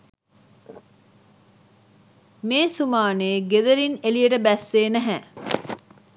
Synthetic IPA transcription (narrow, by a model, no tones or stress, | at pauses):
meːsumaːneːɡed̪ɐɾinelijeʈəbæsːeːnæɦɛ